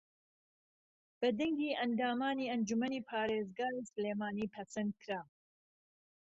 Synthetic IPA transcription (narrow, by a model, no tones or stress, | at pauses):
b̥ɐd̪ɐŋɡiːʔɐnd̪aːmaːniːɐnd͡ʒumɐniːpʰaːɾeːzɡaːɾisleːmaːniːpʰɐsɐnd̪̚kʰɾaː